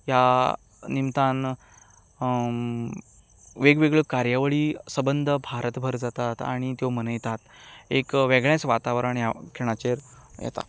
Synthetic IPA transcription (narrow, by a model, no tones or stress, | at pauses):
ja | nimt̪an | ʋeɡʋeɡɭəkaɾjaʋəɭiːsəbənd̪ʱəbʱaɾət̪bʱəɾd͡zat̪at̪a̰ɽ̃it̪jomənəjt̪at̪ekʋeɡɭjãt͡sʋat̪aʋɾaɳjakʰeɭ̃at͡ɕeɾjɛ̰t̪a̰